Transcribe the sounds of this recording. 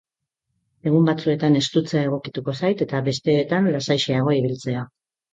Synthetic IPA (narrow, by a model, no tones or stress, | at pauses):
e̞ɣumbat͡sue̞t̪ane̞st̪ut͡seae̞ɣ̞o̞kit̪uko̞sajt̪e̞t̪aβe̞st̪e̞ːt̪anlasajʃeaɣ̞o̞iβ̞ilt͡se̞a